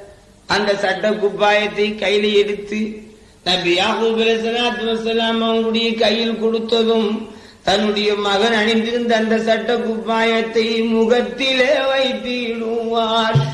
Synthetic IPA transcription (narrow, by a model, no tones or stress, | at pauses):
ʔɐnd̪ɐsɐʈːɐkːʊpːaːjɐt̪ːɐɪkɐjɪlɐɪɛɽɯt̪ːɯ | nɐbɪjaːɣuːbɪlɐs̬ɐlaːt̪mɐsɐlaːmɐʋɐŋɡɯɽɐjɐkɐjːɪlkɔɽɯt̪ːɐðɯm | t̪ɐnːɯɽɐjɐmɐɣɐnɐɳɪnd̪ɪɾɯnd̪ɐːnd̪ɐsɐʈːɐkːʊpːaːjɐt̪ːɐɪmʊɣɐt̪ːɪleːʋɐɪt̪ːiɪɽɯʋaːɾ